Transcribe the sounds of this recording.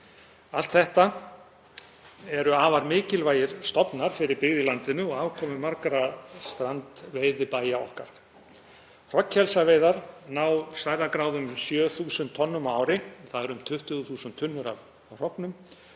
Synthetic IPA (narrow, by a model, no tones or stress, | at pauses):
al̥t̪θɛht̪a | ɛɾʏaːvaɾmɪːcɪlvaːjɪɾ̥st̪ɔpnaɾ̥fɪɾɪɾpɪɣðɪlant̪ɪnʏɔɣaːwkʰɔːmʏmaɾkɾast̪ɾant̪veːjðɪpaːjaɔ̰hkaɾ̥ | r̥ɔchɛlsaveːjðaɾnaːwsvajɾðakɾaːwðʏmsjœːθuːsʏnt̪ʰɔnːʏmaːwɾɪθaðɛɾʏmt̪ʰʏht̪ʏɣʏθuːsʏnt̪ʰːʏnːʏɾa̰v | avr̥ɔpnʏm